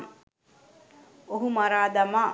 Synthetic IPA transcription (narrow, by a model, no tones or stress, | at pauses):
oɦumaɾaːd̪ama